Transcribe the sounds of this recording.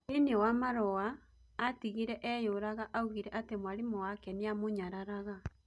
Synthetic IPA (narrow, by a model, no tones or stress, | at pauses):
enewamaɾɔaː | tiɣiɾɛʔɛjoɾaɣaʔauɣiɾɛʔatemwaɾimowakɛneamoɲaɾaɾaɣa